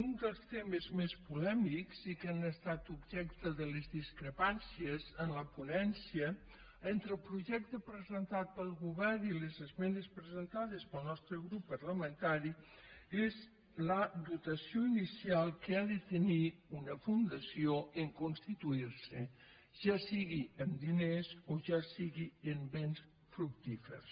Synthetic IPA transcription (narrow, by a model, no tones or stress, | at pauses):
und̪əlˠst̪eməzmespulɛmikzikanəst̪at̪ubʒɛkt̪əðəlezðiskɾəpansjezənləpunɛnsijə | ent̪ɾəlˠpɾuʒɛk̚t̪əpɾəzənt̪at̪̚pəlˠɣuβɛɾnilezəzmɛnespɾəzənt̪aðespəlˠnɔst̪ɾəɣɾupːəɾləmənt̪aɾi | ez | lədut̪əsioinisialˠkəaðət̪əniunəfund̪əsioəŋkunst̪it̪uiɾsə | ʒasiɣiəmd̪inezoʒasiɣiəmbens | fɾuk̚t̪ifə̰rs